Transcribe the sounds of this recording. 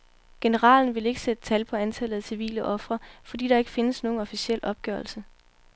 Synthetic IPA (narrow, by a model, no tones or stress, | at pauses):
ɡ̥e̝nəʁɑ̰̈ːln̩ʋe̝le̝ɡ̥əsed̥ə̥t͡sʰælpʰɒ̽ænt͡sʰælð̩ˠæsiʋḭːləʔɒ̽fʁɐfɒ̽d̥ḭːdɑe̝ɡ̥əfe̝nəsno̝ːn̩ɒ̽fisiel̰ʔɒ̽b̥̚ɡ̥œɐlsə